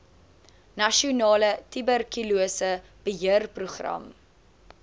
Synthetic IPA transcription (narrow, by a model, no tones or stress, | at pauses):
nɐʃiunɑːlətibərkyluəsə | b̥əɦiərpruχrɐ̰m